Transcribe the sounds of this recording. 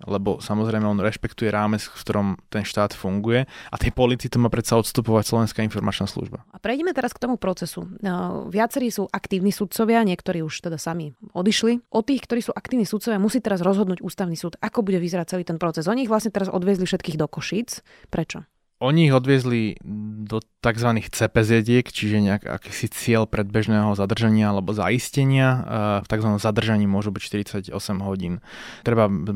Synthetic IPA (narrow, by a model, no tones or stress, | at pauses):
lɛbɔ̰samɔzɾɛɪmɛɔnɾɛʃpɛkt̪ujɛɾaːmɛt͡skft̪ɔɾɔmt̪ɛnʃt̪aːt̪fuŋɡujɛat̪jɛpɔlit̪it̪ɔmaːpɾɛt̪saɔt̪st̪upɔʋacslɔʋɛnskaːinfɔɾmat͡ʃnaːslṵʒba̰apɾɛjɟɛmɛt̪ɛɾaskt̪ɔmupɾɔt͡sɛsṵʋɪat͡sɛɾiːsuːʔakt̪iːʊniːsut̪̚t͡sɔʋɪaɲɪɛkt̪ɔɾiːuʃt̪ɛd̪asamiɔd̪iʃliʔɔt̪iːxkt̪ɔɾiːsuːʔakt̪iːʋniːsut̪t͡sɔʋjamusiːt̪ɛɾazɾɔzɦɔd̪nuːɟuːst̪aʊnisuːd̪akɔbuɟɛʋizɛɾat͡sɛliːt̪ɛnpɾɔt͡sɛzɔɲiiɣʋlasɲɛt̪ɛɾazɔ̰d̪ʋɪɛzlifʃɛt̪kiːɣd̪ɔkɔʃiːt͡s | pɾɛt͡ʃɔ | ɔɲiːɣɔd̪ʋɪɛzlid̪ɔt̪aɡzʋaniːxt͡sɛpɛzjɛɟɪɛkt͡ʃiʒɛɲɛaka̰kiːsit͡sɪɛlpɾɛd̪̚bɛʒnɛːɦɔzad̪r̩ʒaɲɪaalɛbɔza̰iscɛɲɪaft̪aɡzʋanɔmzad̪r̩ʒaɲiːmʊɔʒubicʃt̪iɾit͡saɟɔ̰sɛmɦɔɟiːn | t̪ɾɛba